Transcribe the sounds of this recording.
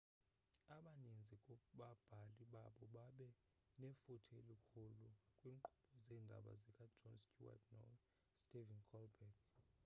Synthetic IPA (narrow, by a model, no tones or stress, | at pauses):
aɓanind͡zʱikʼɔɓab̥ʱaliɓaɓɔɓaɓɛ | nɛfutʰɛlikʰulukʼwiːŋǃʰuɓɔzɛːndʱa̰ɓa̰zɛkʼad͡ʒɔnscʼuwa̰tʰnɔ̰ | stʼivɛnkʰɔlbɛk